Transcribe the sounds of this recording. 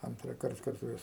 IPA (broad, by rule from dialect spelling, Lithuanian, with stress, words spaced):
ɐntrɑːˈkɐrt kɐrˈtoːjɛs